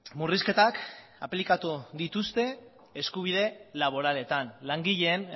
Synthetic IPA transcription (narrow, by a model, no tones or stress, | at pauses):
muriske̞t̪ak | aplikat̪uðit̪ust̪e̞ː | skuβ̞iðe̞laβ̞o̞ɾale̞t̪anlaŋɡiʎe̞ːn